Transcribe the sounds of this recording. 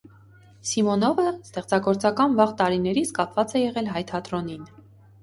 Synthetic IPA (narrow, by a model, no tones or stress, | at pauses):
simɔnɔvəst̪ɛχt͡sɑɡɔɾt͡sɑkɑnvɑʁt̪ɑɾinɛɾit͡sʰkɑpʰvɑt͡sɛjɛʁɛlɦɑjt̪ʰɑt̪ɾɔnin